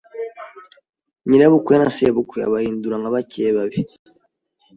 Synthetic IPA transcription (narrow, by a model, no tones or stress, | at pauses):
ɲinaβukwenasiβukʷwea̰βahiːnduɾaŋɡaβaceːβaβe